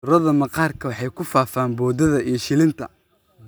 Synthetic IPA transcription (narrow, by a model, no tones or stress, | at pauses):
ɾɐðɐmɐqɑːrkʰɐwɑħɑjkʰʊfaːfaːnbɔːd̪ɐðɐijʃɪlɪnt̪ʰɐ̰